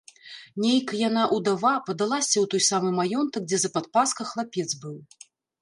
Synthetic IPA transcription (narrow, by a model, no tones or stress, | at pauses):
nʲejkjanaʔud̪avapɐd̪alˠasʲɐwt̪ɔjsamɨmajɔnt̪ɐk̚d͡zʲɛzɐpat̪̚paskɐxlˠapʲɛd̪zbɨw